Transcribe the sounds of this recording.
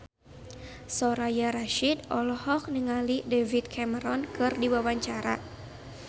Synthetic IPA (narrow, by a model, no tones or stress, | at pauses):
sɔɾajaɾaʃidʔɔlɔhɔk̚nəŋalidɛvit̪̚kʰɛməɾɔnkɨrdiwawaɲt͡ʃaɾa̰